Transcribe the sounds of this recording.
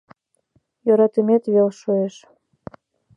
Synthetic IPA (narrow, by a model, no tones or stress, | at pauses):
joɾɑt̪əmet̪βelʃoeʃ